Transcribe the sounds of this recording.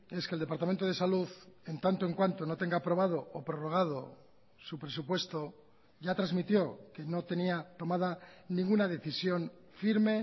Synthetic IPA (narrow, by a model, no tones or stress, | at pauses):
e̞skeld̪e̞paɾt̪ament̪o̞ð̞e̞saluðe̞nt̪ant̪oe̞ŋkwant̪o̞no̞t̪e̞ŋɡapɾo̞β̞að̞o̞opɾo̞ro̞ɣ̞að̞o̰ | supɾe̞s̬upwe̞st̪o̞ | ʝat̪ɾazmit̪jo̞ke̞no̞t̪e̞niat̪o̞maðanĩŋɡunað̞e̞θisjo̞ɱ | fiɾme̞